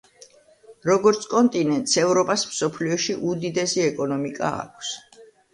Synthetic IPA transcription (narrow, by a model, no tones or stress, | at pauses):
ɾɔɡɔɾt̪sʰkʼɔnt̪ʼinɛnt̪ʼsɛvɾɔpʼasmsɔpʰliɔʃiʔud̪id̪ɛsiɛkʼɔnɔmikʼa̰a̰kʰs